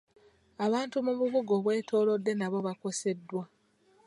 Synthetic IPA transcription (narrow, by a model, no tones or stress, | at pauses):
aβaːntumuβuβuɡo̞βwe̞ːtʰo̞ːlo̞dːe̞naβo̞βako̞se̞dːwa